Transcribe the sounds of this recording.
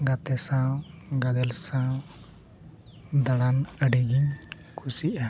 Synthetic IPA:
ɡat̪ɛsawɡaɡ̪ɛlsaw | d̪aɽanəɖiɡiɲ | kʰusiʔa

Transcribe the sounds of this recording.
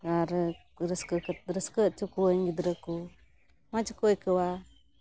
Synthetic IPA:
ɡaɾə | ɾəskəkət̚ɾəskəʔ̚t͡ʃukuəjŋɡid̪ɾəku | mad͡ʒəkojkəwa

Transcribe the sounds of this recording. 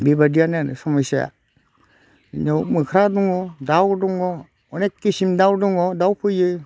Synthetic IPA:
bibadianen̰samasaa̰ | ɲamɯkʰɾaduŋɔdawduŋɔ | ɔnekisimdawduŋɔdawpʰɯjɯ

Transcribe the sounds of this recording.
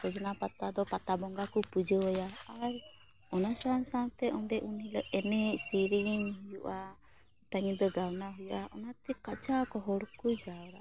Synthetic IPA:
ɾɔd͡ʒɔnapat̪ad̪ɔpat̪abɔŋɡakupud͡ʒəwɔjaaɾ | ɔnasansawt̪ɛʔɔnɖɛʔuniləɛnɛcsiɾiɲɦujuʔa | ʈaɲid̪ɔɡawnaɦujuʔaʔɔnat̪ɛkat͡ʃakɔɦɔɽkud͡ʒawɾa

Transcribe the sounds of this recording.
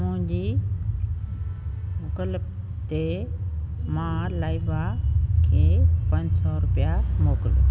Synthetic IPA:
mʊ̃ɦɲd͡ʑiː | mʊkələb̚ | t̪e | mãlaːibakʰeːpə̃ɲd͡ʑsɔɾʊpijamoːklo

